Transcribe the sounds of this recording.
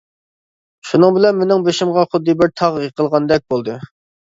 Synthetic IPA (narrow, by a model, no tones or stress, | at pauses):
ʃunɨŋbɪlɛnmenɪŋbeʃimʁɑχʊd̪ːɨbɪɾt̪ʰɑʁəqʰəlˠʁɑnd̪ɛk̚ʲbolˠd̪ɨ